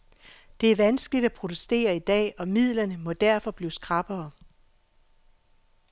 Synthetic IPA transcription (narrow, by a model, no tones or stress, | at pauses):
d̥e̝æɐʋænsɡ̥əlid̥æpʰʁo̝d̥usd̥e̝̰ːɐid̥ɛ̰ːɒ̽mið̞̰ˠlɐnəmɔ̽d̥æɐfɒ̽b̥liːsɡ̥ʁɑ̈b̥ɐː